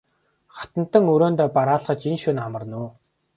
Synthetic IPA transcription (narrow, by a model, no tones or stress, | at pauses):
χḁt̪ə̆n̥t̪ə̆ŋɵɾoːnt̪ɔːpaɾaːɮχə̆t͡ɕinʃunamə̆rnuː